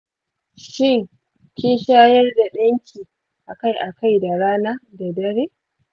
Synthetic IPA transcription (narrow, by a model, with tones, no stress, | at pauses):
ʃɪ˦˨ŋ | kʲɪ˦nʃaː˦jɐ˦rda˨ɗɐ˦ŋkʲʰiː˨ | ʔa˨ka˦jʔa˨ka˦˨jda˨ɽaː˦naː˦da˨dɐ˦ɾeː˦